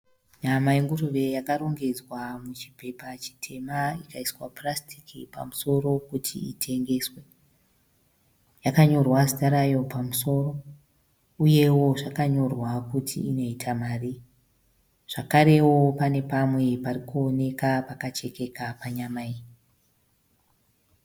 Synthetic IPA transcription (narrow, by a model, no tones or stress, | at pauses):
ɲamaiŋɡuruʋe̞jakaɾoŋɡe̞d͡zwamut͡ʃi̥pe̞pat͡ʃi̥tʰe̞maikaiswaprastʰi̥kipa̰muso̞ro̞kutʰḭḭtʰe̞ŋɡe̞ːswe̞ | jakaɲo̞rwazitaɾajo̞pamuso̞ro̞ | uje̞wo̞ʐakaɲo̞rwakutʰḭino̞itʰamaːri | ʐ̥akaɾe̞wo̞pane̞pamwe̞parikuone̞kapakat͡ʃe̞ke̞kapaɲamai